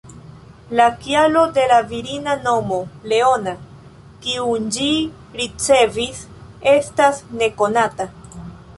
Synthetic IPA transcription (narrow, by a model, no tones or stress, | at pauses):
lakjalo̞d̪e̞laviɾinano̞mo̞le̞o̞na | kiund͡ʒi | ɾit͡se̞vis | e̞stasne̞ko̞nata